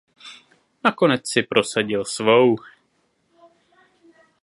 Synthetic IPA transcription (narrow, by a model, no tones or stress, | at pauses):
nako̞nɛt͡ssɪpɾo̞saɟɪlsvow